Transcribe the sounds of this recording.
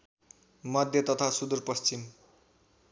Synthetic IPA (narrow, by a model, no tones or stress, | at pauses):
mʌd̪ʱjʌt̪ʌt̪ʰasud̪urpʌst͡sim